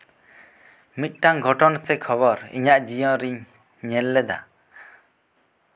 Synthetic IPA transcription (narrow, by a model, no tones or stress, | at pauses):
mit̪̚ʈaŋɡʱɔʈɔnsɛkʰɔβɔɾḭɲaʔd͡ʒijɔ̃ɾiɲ | ɲɛlːɛd̪a̰